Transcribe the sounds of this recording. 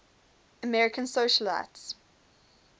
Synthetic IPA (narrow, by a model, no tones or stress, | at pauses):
əmɛɹɪkʰə̃nsoʃəla̰ts